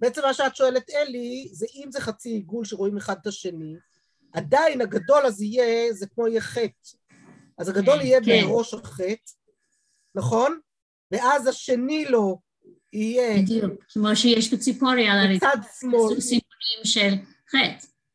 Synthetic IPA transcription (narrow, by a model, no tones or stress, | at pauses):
beet͡se̞mːaʃeatʃo̞elet̪elizeʔimzeχat͡siiɡulʃeʁo̞imeχad̪̚taʃe̞ni | ʔadainaɡado̞lazijezekmo̞ijeχet | ʔazaɡado̞lijebeʁo̞ʃaχe̞t̪ | naχo̞n | veʔazhaʃe̞nilo̞ | ijed̪jukkʰːemoʃejɛʃbet͡sipoɾialat͡sad̪smolsionimʃel | χet